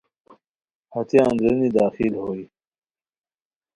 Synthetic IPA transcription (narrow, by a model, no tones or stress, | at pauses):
hɐt̪jãnd̪ɾɐnid̪aːxilhoːi